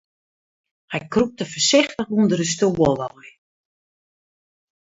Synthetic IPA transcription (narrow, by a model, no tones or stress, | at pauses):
hɛjkrup̚təfəsɪxtəxundərəstoʋəlˠɔj